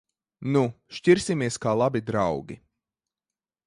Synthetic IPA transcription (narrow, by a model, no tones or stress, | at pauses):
nuʃciɾsʲimiɛskaːlˠabid̪ɾawɡʲi